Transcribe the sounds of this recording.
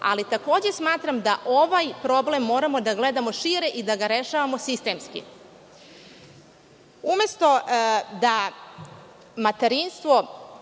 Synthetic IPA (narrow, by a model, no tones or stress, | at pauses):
a̰lit̪ako̞ːd͡ʑe̞smaːt̪ɾamd̪aʔoʋajpɾo̞ble̞mːo̞ːɾamo̞d̪aɡle̞d̪amo̞ʃiɾeʔid̪aɡaɾe̞ʃaːʋamo̞sist̪e̞ːmskḭ | ume̞st̪o̞d̪a | mat̪eɾinst̪ʋo̞